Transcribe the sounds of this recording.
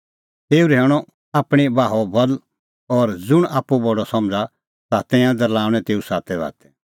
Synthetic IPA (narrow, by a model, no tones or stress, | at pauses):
t̪eːuɾɦɛːɽ̃ɔ | aːpɽ̃ibaːɦɔbɐl | ɔːɾd͡zʊɽ̃aːpubɐɽɔsɐ̃md͡za | t̪at̪ɛ̃jãd̪ɐɾlaːʊ̃ɽ̃ɛ̃t̪eːusaːt̪ɛβa̰ːt̪ɛ̥